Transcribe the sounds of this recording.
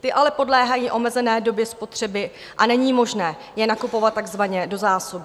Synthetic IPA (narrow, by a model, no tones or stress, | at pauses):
t̪ɪʔalɛpo̞dlɛːɦajiːʔo̞mɛzɛnɛːdo̞bjɛspo̞t̪r̥ɛbɪ | ʔanɛɲiːmo̞ʒnɛː | jɛnakupo̞vat̪̚ːaɡzvaɲɛdo̞zaːsobɪ